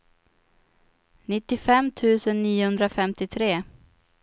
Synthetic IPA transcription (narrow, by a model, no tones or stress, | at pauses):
nɪt̪ːɪfɛmːt̪ʰʉ̟ːsənːiːʊhɵnd̪ɾafɛmt̪ɪt̪ʰɾeː